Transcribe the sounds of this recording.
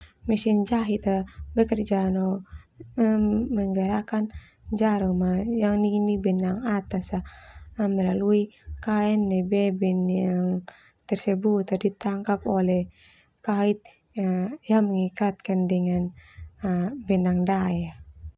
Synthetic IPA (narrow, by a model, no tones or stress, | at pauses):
mɛsiɲd͡ʒaɦit̪abɛkərd͡ʒano | əːəŋɡaɾakan | ɲd͡ʒaɾɔmajaŋninibɛnaŋat̪asaəməlaluikaɛnːɛbɛbɛnjaŋ | t̪ɛrsɛbut̪adit̪aŋkapolɛh | kait̪̚ | ajaŋməŋikat̪̚kandɛŋan | bɛnaŋdaja